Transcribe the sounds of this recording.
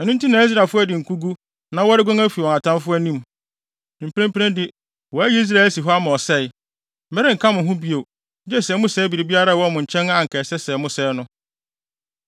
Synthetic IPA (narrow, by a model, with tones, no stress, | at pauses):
ɛ˨nũ˦n˦tĩ˦nã˨˦i˦s̬ɾa˨fʊ˦æ˦˨dɪ˨ŋ̩˨kʰu˦ɡu˦ | nã˦wɔ˦ɾɪ˦ɡʷã˦ŋæ˦fi˨wɔ̃˨ŋa˨tʰã˦fʊ˦æ˦nĩ˦m˨ | m̩˨pʰɾɛ̃˦m˦pʰɾɛ̃˦ndɪ˦ | wɔ˨æ˦ji˦i˦s̬ɾa˦˨ɛ˨lsi˨ɦɔ˦a˦mã˨ɔ˨sɛ˦˨ɪ˨ | m̩˨mɛ˦ɾɪ̃˦ŋ̩˨kʰa˦mʊ̃˨ɦʊ̃˦bi˦o˨˦ | d͡ʑɛ˦˨sɛː˨˦mʊ̃˦sɛː˦bi˨ɾi˨bi˦a˦ɾa˦˨wɔ˦mʊ̃˨ɲ̩˨t͡ɕʰɛ̃˦nã˦ŋ̩˨kʰɛː˨sɛ˦sɛ˨˦mʊ̃˦sɛː˨˦nʊ̃˦